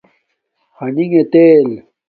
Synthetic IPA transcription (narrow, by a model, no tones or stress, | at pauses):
hɐniŋet̪eːl